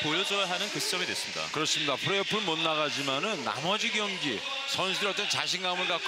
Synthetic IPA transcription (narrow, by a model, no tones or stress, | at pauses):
pojʌd͡ʑʌjaɦanɯnkɯst͡ɕ͈ʌmidwes͈ɯmɲida̰kɯɾʌs͈ɯmɲidapʰɯɾeʌpʰɯɭmʌnːaɣad͡ʑimanɯnːa̰mʌd͡ʑiɡjʌŋd͡ʑi | sʰʌnsʰudɾʌt͈ʌnt͡ɕaɕʰinɡamɯɭkak͈